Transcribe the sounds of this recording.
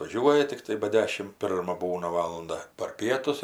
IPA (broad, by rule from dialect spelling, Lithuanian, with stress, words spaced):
ʋɐˈʒʲuɔjɛ tʲɪkˈtɐɪ bɐ ˈdʲæːʃʲɪm ˈpʲɪrmɐ ˈbuːnɐ ˈʋɑːlˠʊndɐ pɐr ˈpʲiɛtʊs ɪr